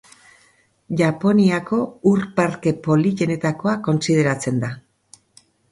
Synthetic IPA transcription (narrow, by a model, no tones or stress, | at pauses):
ʝapo̞niako̞uɾpaɾke̞po̞liʝe̞ne̞t̪ako̞ako̞nsið̞e̞ɾat͡se̞nd̪a